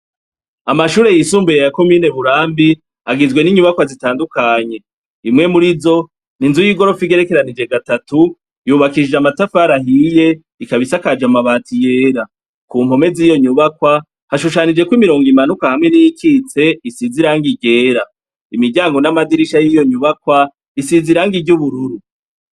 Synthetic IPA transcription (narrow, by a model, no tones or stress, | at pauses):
amaʃuːɾe̞jisuːmbujejako̞miːne̞βuɾaːmbi | aɡizɡwe̞niɲuβakwazitaːndukaɲe̞ | imŋe̞muɾizo̞ | ninzujiɡo̞ɾo̞fiɡe̞ɾe̞ke̞ɾanid͡ʒe̞ɡatatu | juːβakid͡ʒeamatafaɾaɦije̞ | ikaβisakad͡ʒamaβaːtije̞ːɾa | kuːm̥ho̞me̞ziːjo̞ɲuβakwa | haʃuʃanid͡ʒe̞kwimiɾo̞ːŋɡimanukahamŋe̞nijikit͡se̞isiziɾaːŋɡiɟe̞ːɾa | imiɟaːŋɡo̞namadiɾiʃajijo̞ɲuβakwa | isiziɾaŋɡiɟuβuɾuɾu